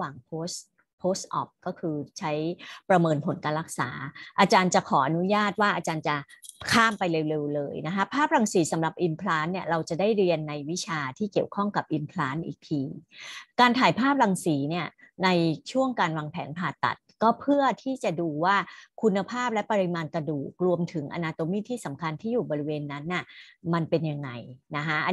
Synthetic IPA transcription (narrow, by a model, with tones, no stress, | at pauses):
waː˨˩ŋpʰoː˦˥s | pʰoː˦˥st̪̚ʔɔ̰˨˩p̚kɔː˥˩kʰɯː˧t͡ɕʰa˦˥jpɾa˧mɤː˧npʰo˩˦nkaː˧nla˦˥k̚sa̰ː˩˦ʔa˧t͡ɕaː˧nt͡ɕa˨˩kʰɔː˩˦ʔa˧nu˦˥jaː˥˩t̪̚waː˥˩ʔaː˧t͡ɕaː˧nt͡ɕa˨˩kʰaː˥˩mpa˧jle˧wle˧wlɤː˧jna˦˥kʰa˦˥pʰaː˥˩p̚ɾa˧ŋsiː˩˦sa˩˦mɾa˨˩p̚ʔi˧mpʰlaː˦˥nni˥˩ɐɾa˧wt͡ɕa˨˩daː˥˩jɾi˧ənːa˧jwi˦˥t͡ɕʰaː˧t̪ʰiː˥˩ki˨˩əwkʰɔ˥˩ŋka˨˩p̚ʔi˧mpʰlaː˦˥nʔḭː˨˩k̚t̪ʰiː˧kaː˧nt̪ʰaː˨˩˦jpʰaː˥˩p̚ɾa˨˩ŋsiː˩˦ni˥˩ɐna˧jt͡ɕʰu˥˩əŋkaː˧nwaː˧ŋpʰɛ̰ː˩˦npʰaː˨˩t̪ːa̰˨˩t̪̚kɔː˥˩pʰɯ˥˩ət̪ʰiː˥˩t͡ɕa˨˩duː˧waː˥˩kʰu˧nːa˧pʰaː˥˩p̚lɛ˦˥pa˧ɾi˧˥maː˧nka˧duː˨˩k̚ɾu˧əmt̪ʰɯ˩˦ŋʔa̰˧naː˧t̪o˧˦miː˥˩t̪ʰiː˥˩sa˩˦mkʰa˧nt̪ʰiː˥˩juː˨˩bɔː˧ɾi˦˥weː˧nːa˦˥nːa˥˩ma˧npe˧nja˧ŋːa̰˧jna˦˥kʰa˦˥ʔ